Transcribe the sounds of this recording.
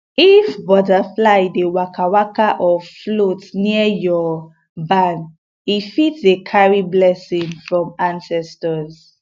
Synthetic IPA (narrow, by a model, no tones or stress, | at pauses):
ifbɔdaflaɪdewakʰawakaʔɔflotniəjɔ | bãn | ifitsekʰaɹiblɛsĩnfɹɔ̃mãnsɛstɔz